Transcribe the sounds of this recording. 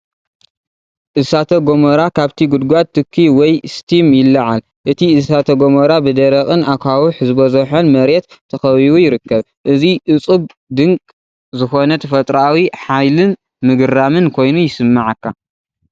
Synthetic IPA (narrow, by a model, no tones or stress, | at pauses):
ʔɨsat̪ʰɐɡomɐɾakʰaβt̪ʰiɡud̪ɡʷat̪ʰːɨkʰːiwɔjst̪ʰimjɪlːɐʕal | ʔɨt̪ʰiɨsat̪ʰɐɡomɐɾabɨd̪ɐɾɐχʼɨnakʰawuħzɨbɐzɐħonmɐɾet̪ːʰɐxɐβiwujɪɾɨkːɐβ | ʔɨziʔɨt͡sʼɨb̚ | d̪ɨŋkʼ | zɨxo̞nɐt̪ʰɐfɐt̪ʼɾawiħajlɨn | mɨɡɨɾamɨnkʰo̞jnujɪsɨmːaʕakːa